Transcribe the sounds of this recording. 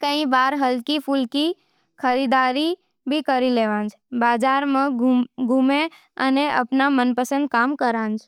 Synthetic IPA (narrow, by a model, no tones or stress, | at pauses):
kə̃ĩbaɾɦəlkipʰulki | kʰəɾid̪aɾi | bʱikəɾileʋãnd͡ʒʰbad͡ʒaɾmãɡʱume | əneʔə̰pnamənpəsə̃nd̪̚kamkəɾãnd͡ʒʰ